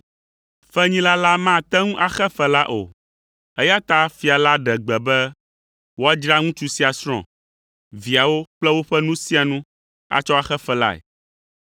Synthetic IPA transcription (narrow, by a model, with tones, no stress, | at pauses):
fɛ˦ɲĩ˦la˦la˦mã˦˨t̪ɛ˦ŋũ˦ʔa˨xɛ˦fɛ˦la˦ʔo̰˨ | ɛ˦ja˦t̪a˦fi˨a˨la˦ɖɛ˨ɡ͡bɛ˨bɛ˦ | wo˦a˦d͡ʒɾa˦ŋũ˦t͡ʃu˦si˦a˨sɾ̃ɔ̰̃˨ | vi˨a˨wo˦k͡plɛ˦wo˦ɸɛ˦nũ˦si˦a˨nũ˦ | a̰˨t͡ʃɔ˦a˦xɛ˦fɛ˦la̰˦ɛ̰˨